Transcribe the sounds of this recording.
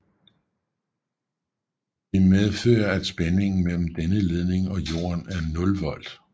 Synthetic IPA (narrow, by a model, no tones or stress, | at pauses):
d̥e̝með̞ˠfø̰ːɐæd̥sb̥ene̝ŋn̩mel̰m̩d̥enəle̝ð̞ˠne̝ŋɒ̽jo̝̰ːɐnæɐnɔ̽lʋɒ̽l̰d̥